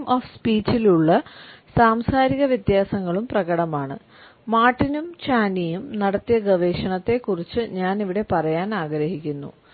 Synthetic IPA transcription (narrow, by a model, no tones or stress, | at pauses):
mʔoːfspiːt͡ɕːiluɭːɐsaːmsaːɾiɣɐʋjɐt̪jaːsɐŋːɐɭumprɐɣɐɽɐmaːɳɨ̰ | maːʈːinumt͡ɕaːnijumnɐɽɐt̪ːijɐɡɐʋeːʂɐɳɐt̪ːe̞kːurit͡ɕːɨɲaːniʋiɽe̞pɐrɐjaːnaːɡɾɐɦikʲːunːṵ